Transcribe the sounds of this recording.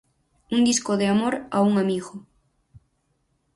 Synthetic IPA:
und̪iskoðeamoɾauŋamiɣʊ

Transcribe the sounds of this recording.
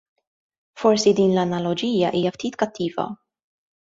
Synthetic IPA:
fɔɾsid̪iːnlɐnɐlɔd͡ʒiːjɐʔiːjɐft̪iːt̪kɐt̪ːiːvɐ̰

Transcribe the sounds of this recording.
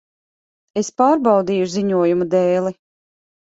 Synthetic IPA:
espaːɾbɑwd̪iːjuziɲuɔjumud̪ɛːlˠi

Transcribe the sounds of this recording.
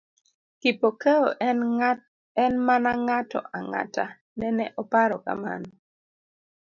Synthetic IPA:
kipokeo | ɛnmanaŋatɔ̰ʔaŋa̰ta | nɛnɛʔɔpaɾɔka̰ma̰n

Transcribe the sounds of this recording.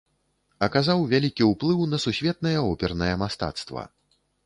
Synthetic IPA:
ɐkazawvʲalʲikʲiuwplˠɨwnɐsusʲvʲɛt̪̚nɐjɐɔpʲɛrnɐjɐmast̪a̰t̪st̪vɐ̰

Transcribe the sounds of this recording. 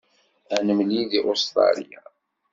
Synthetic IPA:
ænəmliðiʔost̪ɾˤɑ̰lija̰

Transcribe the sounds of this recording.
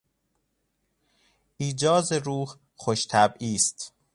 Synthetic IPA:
ʔiːd͡ʒɒːzeɾuːh | xoʃt̪ʰæbiːst̪

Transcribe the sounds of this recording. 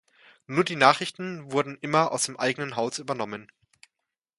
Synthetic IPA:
nuːɐdiːnaːχʁɪçtn̩vʊɐdn̩ʔɪmɐa̰ʊsd̥eːmʔaɪɡənənɦaʊsyːbɐnɔmən

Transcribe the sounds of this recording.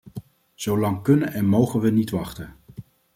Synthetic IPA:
z̥owlɑŋkɵnənʔɛnmowχənʋənitʋɑχtən

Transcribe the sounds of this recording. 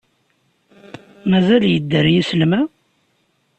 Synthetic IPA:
mæzæljəd̪ːəɾjislmæ

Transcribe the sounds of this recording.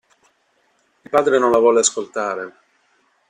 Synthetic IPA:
ilpaːd̪ɾenonlavwɔleaskolt̪aːɾe

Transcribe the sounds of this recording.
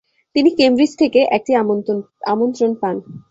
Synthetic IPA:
t̪inikemɾid͡ʑt̪ʰekeʔɛk̚ʈi | amont̪ɾonpan

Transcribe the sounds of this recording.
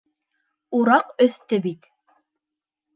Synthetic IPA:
uɾɑqɵ̆θt̪ɘbit̪

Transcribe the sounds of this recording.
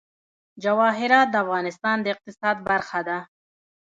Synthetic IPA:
d͡ʒawɑːɦɪɾɑːt̪̚d̪əafɣɑːnɪst̪ɑːnd̪əɪq̚t̪ɪsɑːd̪baɾxad̪a

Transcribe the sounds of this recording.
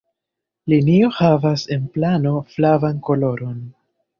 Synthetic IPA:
linio̞havase̞nplano̞flavanko̞lo̞ɾo̞n

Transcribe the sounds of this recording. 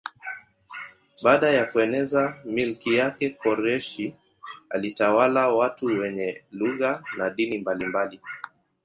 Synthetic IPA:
ɓaːɗajakuɛnɛzamilkijakɛkɔɾɛʃi | a̰litawalawatuwɛɲɛluɣanaɗinimbalimbali

